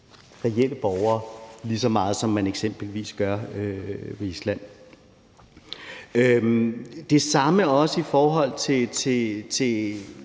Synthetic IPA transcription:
ʁɛel̰əb̥ɒʊɐːlisɒ̽mɑ̈ːð̞̩ˠsɒ̽mːæneɡ̥sem̰b̥l̩ʋḭːsɡ̥ɶɐ̰øʋeislæn̰ | ø | d̥e̝sɑ̈məɒ̽səifɒːɦɒ̽l̰t͡sʰe̝t͡sʰe̝t͡sʰe̝

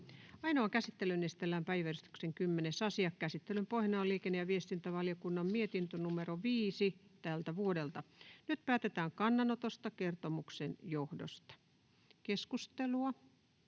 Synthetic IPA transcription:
ɑinoɑkæsit̪ːelynːest̪elːæːmpæiʋærist̪y̥kseŋkymːenesɑsiɑkkæsit̪ːelympohnɑːliːkenːejɑʋiest̪int̪æʋɑljokunːɑmmiet̪int̪ønumeɾoʋiːsit̪ælt̪æʋuodelt̪ɑnyt̪pæːt̪et̪æːŋkɑnːɑnot̪ost̪ɑkert̪omuksenjohdo̰st̪ɑ̥ | keskust̪eluɑ

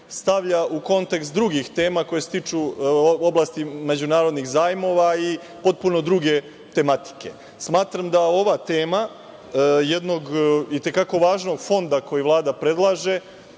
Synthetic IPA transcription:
st̪aʋʎaʔuko̞nt̪e̞kst̪̚d̪ɾuɡixt̪e̞ːmako̞jese̥t̪it͡ʃuo̞blast̪ime̞d͡ʑunaːɾo̞d̪nixzaːjmo̞ʋai | po̞t̪̚puno̞d̪ɾuɡe̞ | t̪e̞mat̪i̥ke̞̰ | smaːt̪ɾamd̪ao̞ʋat̪e̞ːma | je̞d̪no̞ɡit̪e̞kako̞ʋaːʒno̞ɡfo̞nd̪ako̞jiʋlˠaːd̪apɾe̞d̪lˠaʒe̞

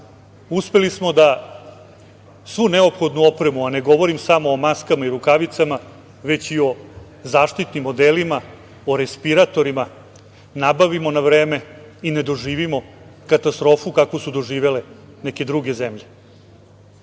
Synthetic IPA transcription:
uspe̞lismo̞d̪a | sʋuneo̞pxo̞d̪nuo̞pɾemuane̞ɡo̞ʋo̞ɾimsamo̞ːmaskamaiɾukaʋit̪sama | ʋe̞t͡ɕio̞ | zaːʂt̪it̪nimːo̞d̪eːlima | oɾespiɾat̪o̞ɾima | nabaʋimo̞naʋɾeːme̞ | ine̞d̪o̞ʐiːʋimo̞ | kat̪ast̪ɾo̞ːfukako̞sud̪o̞ʒiːʋe̞le | neke̞d̪ɾuɡe̞zemʎe̞

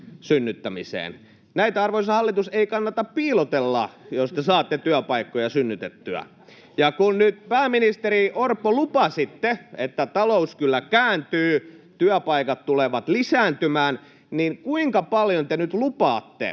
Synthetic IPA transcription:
synːyt̪ːæmisḛːn | næit̪æɑrʋoisɑhɑlːit̪useikɑnːɑt̪ɑppiːlot̪elːɑ̰jost̪esɑːt̪ːet̪yæpɑikːojɑsynːyt̪et̪ːyæ̰ | jɑkunnyt̪̚pæːmːinist̪eɾiʔorpːolupɑsit̪ːeet̪ːæt̪ɑlouskylːækæːnt̪yːt̪yæpɑikɑt̪t̪uleʋɑt̪lisæːnt̪ymæːn | ninkuiŋkɑpɑljont̪enyt̪lupɑːt̪ːḛ

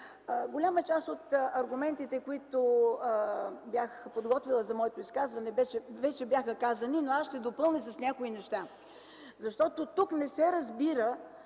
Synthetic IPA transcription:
ɡolʲamət͡ʃast̪ot̪ɐɾɡʊmɛnt̪it̪ɛkoit̪o | bjaxpod̪ɡɔt̪vilˠəzɐmɔɛt̪oiskazvɐnɛbɛt͡ʃɛvɛt͡ʃɛbjaxəkazɐninoasʃt̪ɛd̪opɤlˠnis̬ɐsnʲakoinɛʃt̪a | zɐʃt̪ɔt̪ot̪uknɛsɛɾɐzbiɾə

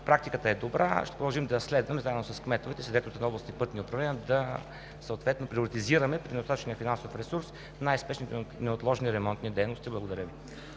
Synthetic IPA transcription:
pɾak̚t̪ikət̪əɛd̪obɾʔa̰ʃt̪ɛ̥pɾʊd̪ɐlˠʒimd̪ɐslɛd̪vɐmzaɛd̪nosɐskmɛt̪ovɛt̪ɛslɛd̪vɛt̪ot̪ɛnɔblˠəst̪ipɤt̪niopɾɐvlɛnijəd̪ɐ | səot̪vɛt̪nopɾiʊɾit̪iziɾəmɛpɾinɛdost̪at̪ət͡ʃnijəfinansofɾɛsuɾs | najspɛʃnit̪nɛot̪lˠɔʒniɾɛmɔnt̪nid̪ɛjnost̪iblˠɐɡod̪ɐɾʲəvi

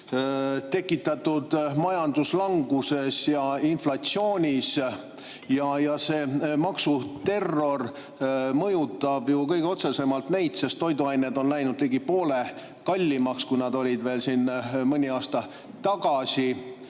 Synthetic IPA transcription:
t̪e̞kːˑit̪ːˑɑt̪ːud̪̥mɑjɑnd̪̥uslɑŋɡ̥use̞sjɑinflɑt̪sio̞ːnʲis | jɑjɑse̞ːmɑksut̪e̞rːo̞r | mɤjut̪ˑːɑb̥jukɤjɡ̥eo̞t̪se̞se̞mɑlt̪nejd̪se̞st̪ːo̞jd̪uɑjned̪o̞nlæjnud̪̥t̪iɡipo̞ːle̞ | kɑlʲːimɑkskujnɑd̪o̞lʲid̪ve̞ːlsiːnmɤnʲiɑːst̪ɑ | t̪ɑɡ̥ɑsi

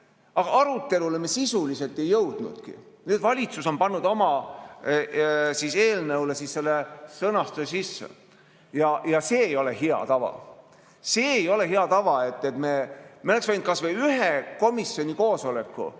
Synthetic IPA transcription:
ɑɡ̥ɑɑɾut̪ːe̞lulemːesisulise̞lt̪ːˑe̞jːɤwd̪̥nṵd̪̥kḭnyːd̥̪vɑlʲit̪suso̞npɑnːud̪̥o̞mɑ | sise̞ːlnɤwle̞sisːe̞lːesɤnɑst̪usesisːḛ | jɑjɑse̞ːjo̞le̞ɦiɑ̰t̪ɑvɑ̰ | se̞ːjo̞le̞ɦeɑt̪ɑvɑe̞t̪ːˑet̪me̞meoleksveind̪̚kɑsveyɦeko̞misːo̞nʲiko̞ːso̞le̞kˑːṵ

